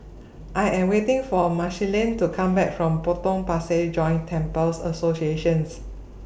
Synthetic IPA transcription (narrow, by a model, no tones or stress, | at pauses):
ʔaɪɛ̃mwetɪ̃ŋfɔmaʃilĩntukʰãmbɛk̚fɹɔ̃mpotɔ̃ŋpased͡ʒɔ̃ɪ̃ntʰɛ̃mpəlsə̰sosieʃə̃ns